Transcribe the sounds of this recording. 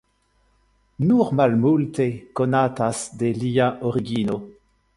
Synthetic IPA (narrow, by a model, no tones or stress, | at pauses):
nuʁmalmultekonatasdeliaʔoʁiɡino